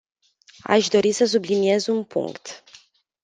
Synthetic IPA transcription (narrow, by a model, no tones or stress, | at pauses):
a̰ʃd̪o̞ɾisəs̬ublinie̞zunpṵŋkt̪